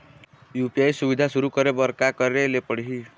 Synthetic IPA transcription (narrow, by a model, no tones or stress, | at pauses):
jupiajsubid̪ʱasuɾukɔɾebɔɾkakɔɾelepɔɽiɦi